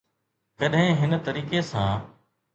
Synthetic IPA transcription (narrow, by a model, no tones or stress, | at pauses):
kəɗɦɪ̃ɦɪnt̪əɾiːkesãː